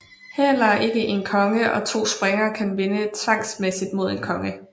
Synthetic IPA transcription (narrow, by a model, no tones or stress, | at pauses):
helɐʔe̝ɡ̥əʔe̝nkʰɒ̽ŋəʔɒ̽t͡sʰo̝̰ːsb̥ʁeŋɐkʰænʋe̝nət͡sʰʋɑ̈ŋ̰smesid̥mo̝ð̞̰ˠe̝nkʰɒ̽ŋə